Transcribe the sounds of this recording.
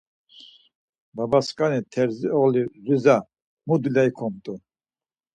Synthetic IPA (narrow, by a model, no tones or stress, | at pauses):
babaskʼanit̪ʰɛɾziɔɣliɾiza | mud̪ulaikʰɔmt̪ʼu